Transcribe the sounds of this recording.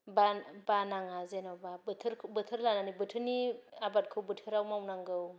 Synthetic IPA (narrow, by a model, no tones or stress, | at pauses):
babanaŋazenawbabtʰɯɾʰbɯtʰɯɾlananibɯtʰɯniabat̚kʰɯwbɯtʰɯɾawmawnaŋɡɯw